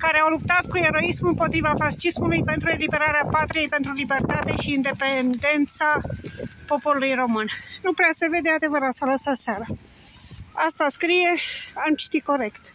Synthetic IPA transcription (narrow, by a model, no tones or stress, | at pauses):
kaɾeawlup̚t̪at̪kue̞ɾo̞ismɨmpo̞t̪ɾivafaʃismulujpe̞nt̪ɾue̞libe̞ɾaɾeapat̪ɾije̞jpe̞nt̪ɾulibe̞rt̪at̪e̞ʃiːnd̪e̞pend̪e̞nt̪sa | po̞po̞ɾulujro̞mɨnnupɾease̞ve̞d̪ead̪e̞vəɾat̪sələsəseaɾa | ast̪askɾije̞amt͡ʃi̥t̪iko̞ɾe̞kt̪